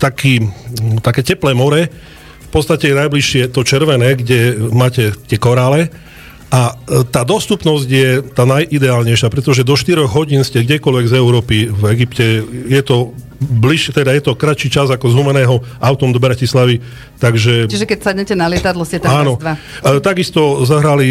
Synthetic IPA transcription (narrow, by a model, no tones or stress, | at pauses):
t̪akʰiːt̪akɛːcɛplɛːmɔɾɛ | fpɔtt͡sst̪acɛjɛnajbliʃɪɛt̪ɔt͡ʃɛɾʋɛnɛːɡɟɛmaːcɛt̪ɪɛkɔɾaːlɛ | ʔat̪aːd̪ɔst̪upnɔzɟjɛt̪aːnajʔid̪ɛaːlɲɛjʃɪapɾɛt̪ɔʒɛd̪ɔʃt̪iɾɔɣɦɔɟiːnscɛɡɟɛkɔlʋɛɡzɛʊɾɔːpivɛɡipcɛjɛt̪ɔ | bliʃɛt̪ɛd̪ajɛt̪ɔkɾat͡ʃiːt͡ʃazakɔzɦumɛnɛːɦɔʔaʊt̪ɔmd̪ɔbɾacislaʋi | t̪aɡʒɛt͡ʃiʒɛkɛcsadɲɛcɛnalɪɛt̪ad̪lɔscɛt̪aːnɔd̪ʋa | t̪aɡist̪ɔzɔɦɾali